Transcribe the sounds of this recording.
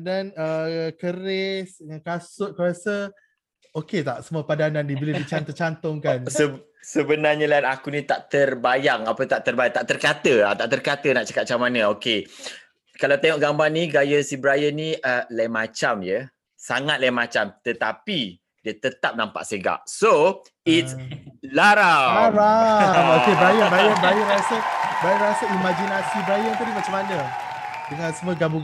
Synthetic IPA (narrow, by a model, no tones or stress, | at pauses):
danəkəɾesdəŋankasʊt̪̚kəɾasə | oket̪aʔsəmuapadandandibiledit͡ʃant̪ot͡ʃant̪ʊŋkansə | səbənarɲalanakunit̪aʔt̪ərbajaŋapət̪aʔt̪ərbajat̪aʔt̪ərkat̪əat̪aʔt̪ərkat̪ənaʔt͡ʃḁkat̪̚t͡ʃamanəoke | kalawt̪eŋɔʔɡambaŋniɡajəsibəɾajəniəlamat͡ʃamjə | saŋat̪̚lamat͡ʃamt̪ət̪api | diət̪ət̪ap̚nampa̰ʔseɡa̰ʔso | itslaɾaaɾaoebajabaəbajəɾasəbajaɾasəimad͡ʒinasibɾajət̪udimat͡ʃamanə̃ | dəŋãnsəməɡabu